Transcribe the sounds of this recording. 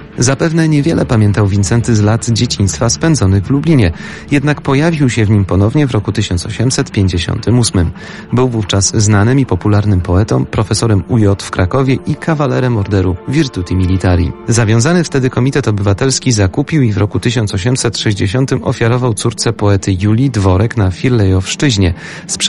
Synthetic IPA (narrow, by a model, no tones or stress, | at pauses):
zapɛvnɛɲɛvʲjɛlʔɛpamʲjɛnt̪awvʲint̪sɛnt̪ɘzlad̪d͡ʑet͡ɕiɲ̃st̪faspɛnd̪zɔnɘɣvlublʲiɲɛ | jɛd̪nakpɔjavʲiwɕɛvɲimpɔnɔvɲɛvɾɔkut̪ɘɕɔnsɔɕɛmsɛt̪pʲjeɲd͡ʑeɕɔ̰nt̪ʰɘmusmɘm | bɘwvuft͡ʂasznanɘmipɔpulaɾnɘmpɔɛt̪ɔ̃mpɾɔfɛsɔɾɛmujɔt̪fkɾakɔvʲjɛʔikʰavalɛɾɛmɔɾd̪ɛɾuvʲiɾt̪ut̪ʲimʲilʲit̪aɾjḭzavʲjɔ̃w̃zanɘft̪ɛd̪ɘkɔmʲit̪ɛt̪ɔbɘvat̪ɛlskʲizakupʲiwivɾɔkut̪ɘɕ̬ɔntsɔɕɛmsɛt̪ʂɛʑd͡ʑeɕɔnt̪ɘmʔɔ̰fʲjaɾɔvawt̪suɾt̪sɛpɔɛt̪ʰɘjulʲid̪vɔɾɛknafʲiɾlɛjɔfʂt͡ʂɘʑɲɛ | spʂ